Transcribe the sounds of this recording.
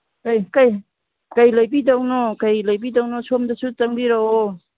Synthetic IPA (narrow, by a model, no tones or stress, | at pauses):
kajkaj | kajlajbidawnɔkajlajbidawnɔsomdasutaŋbiɾa